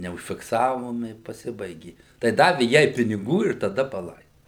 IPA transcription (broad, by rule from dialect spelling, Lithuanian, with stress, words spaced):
nʲɛʊʃʲfʲɪkˈsɑːʋoːm ɪ pɐˈsʲɪbɐɪɡʲɪ tɐɪ ˈdɑːʋʲɪ ˈjɛɪ pʲɪnʲɪˈɡuː ɪr tɐˈdɐ pɐˈlˠɐɪ